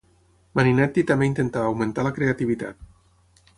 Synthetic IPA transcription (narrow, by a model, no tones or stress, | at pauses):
maninɛt̪ːit̪ameint̪ent̪aːwmẽnt̪alakɾeat̪iβit̪a̰t̪̚